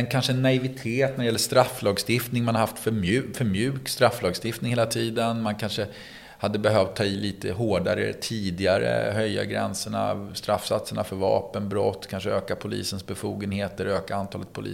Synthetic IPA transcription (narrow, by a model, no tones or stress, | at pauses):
ɛnkʰanʂəɛnːaɪvɪt̪ʰeːt̪̚næɖɛjɛlːəʂt̪ɾafːlɑːɡst̪ɪft̪nɪŋmanaɾɦaft̪fœmʉ̟ːfœɾmjʉ̟ːkst̪ɾaflɑːɡst̪ɪft̪nɪŋheːlat̪ʰiːd̪ənmankʰanʂə | had̪ːəbɛɦœvt̪ʰːɑːiliːt̪əɦoːɖaɾə̰t̪ʰiːd̪ɪaɾə̰ɦœjːa̰ɡɾɛ̰nsəɳa̰st̪ɾafːsat̪səɳafœɾvɑ̰ːpənbɾɔt̪ːkʰanʂəøːkapʰʊlḭːsənsbɛfuːɡənheːt̪əɾøːkaant̪ʰɑːlət̪̚pʰʊlḭː